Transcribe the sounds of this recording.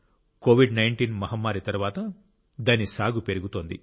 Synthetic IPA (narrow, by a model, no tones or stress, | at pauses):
koːʋiɖnɐjɳʈiːnmɐɦɐmːaːɾit̪ɐɾʋaːt̪ɐ | d̪ɐnisaːɡupeɾuɡut̪o̞ːnd̪ḭ